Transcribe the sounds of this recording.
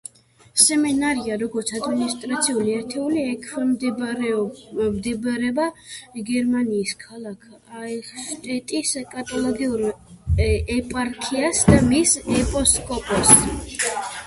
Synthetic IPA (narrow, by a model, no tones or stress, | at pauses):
sɛmɛnaɾiaɾɔɡɔɾt̪sʰad̪minist̪ʼɾat̪sʰiuliɛɾt̪ʰɛuliɛkʰwɛmd̪ɛɾɛɔmd̪ɛbaɾɛbaɡɛɾmaniːskʰalˠakʰ | aɛʃt̪ʼɛt̪ʼiskʼat̪ʼɔlˠɔɡiuɾ | ɛpʼaɾkʰiasd̪amisɛpʼɔskʼɔpʼɔs